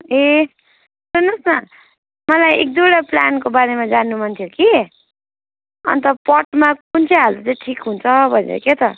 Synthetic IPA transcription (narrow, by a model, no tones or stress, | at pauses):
e | sunʌsnʌ | mʌlajḛk̚d̪uɽʌplankobaɾemad͡zanːumʌnt̪ʰjoki | ʌ̰nt̪ʌpʌʈmakunt͡sʰeɦalut͡sãʈʰikɦunt͡sʰʌbʱʌzḛket̪ʌ